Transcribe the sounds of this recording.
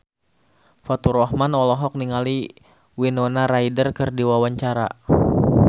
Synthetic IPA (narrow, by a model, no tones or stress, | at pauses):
fat̪uɾɔhmanɔlɔɦɔk̚niŋali | winɔnaɾaidərkɨrdiwawaɲt͡ʃaɾa̰